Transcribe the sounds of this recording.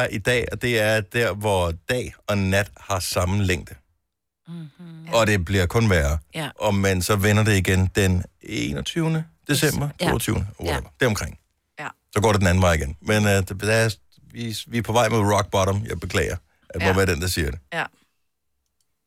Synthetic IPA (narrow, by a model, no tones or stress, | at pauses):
æɐʔid̥ɛ̰ːɒd̥e̝æɐd̥æɐ̰ʋɒd̥ɛ̰ːɒ̽næd̥hɑ̈sɑ̈mn̩leŋ̰d̥ | ɒ̽d̥e̝b̥liɐkʰɔ̽nʋæɐʔɒmensɒ̽ʋenɐdeiɡ̥end̥eneːnɒt͡sʰyʊnəd̥e̝sem̰b̥ɐt͡sʰo̝̰ːɒt͡sʰyːʊnəonɐd̥æɐɒmkʰʁeŋ̰ | sɒɡ̥ɒ̰ːɾeden̩æn̩ʋɑ̈ɪiɡ̥enmend̥æ | ʋiʋiɐpʰɒʋɑ̈ɪmeðˠʁɒɡ̥̚b̥ɒɾɐmjɑ̈ɪb̥e̝kʰlɛ̰ːɪɐ | ʔæd̥emoʋæːɐd̥end̥ɑsiɐɾe̝